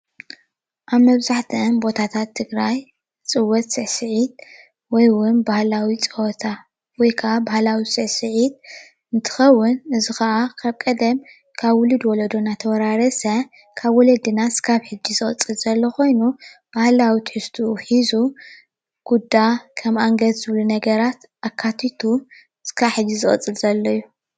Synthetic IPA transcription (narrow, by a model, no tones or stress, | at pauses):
ʔaβmɐβzaħt̪ʰɨɨnbo̞t̪ʰat̪ʰat̪ʰːɨɡɾaj | t͡sʼɨwːɔt̪sʼɨʕsɨʕit̪̚ | wɔjwʊnbahlawit͡sʼɨwɔt̪ʰa | wɔjkʰɐʔabahlawisʼɨʕsɨʕit̪̚ | ɨnt̪ʰɨ̥xɐwːʊnɨzixɐʔakʰaβkʼɐd̪ɐm | kʰaβwʊlɨd̪wɔlɐd̪onat̪ʰɐwɐɾaɾɐsɐ | kʰaβwɔlɐd̪ɨnasɨ̥kʰaβħɨd͡ʒːizɨχʼɐ̰t͡sʼːɨlz̥ɐlːokʰo̞jnub̥ahlawit̪ʰħɨst̪ʰuħizu | ɡ̥ud̪akʰɐmaŋɡɐt̪z̥ɨβlunɐɡɐɾat̪ | ʔakʰːat̪ʰit̪ʰu | sɨ̥kʰaħɨd͡ʒːizɨχʼɐ̰t͡sʼɨlzɐlːɐjːu